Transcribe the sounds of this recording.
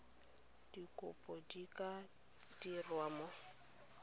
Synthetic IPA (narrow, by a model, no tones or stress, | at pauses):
d̥ikʼʊpʼɔdikʼa | d̥irwamɔ